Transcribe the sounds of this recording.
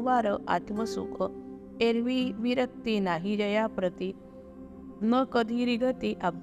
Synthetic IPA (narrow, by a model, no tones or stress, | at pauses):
ʋaɾəʔa̰t̪məsṵkʰə | eɾʋiʋiɾək̚t̪inaɦid͡ʑəjapɾət̪i | nəkəd̪ʱiɾiɡʱət̪iʔab̚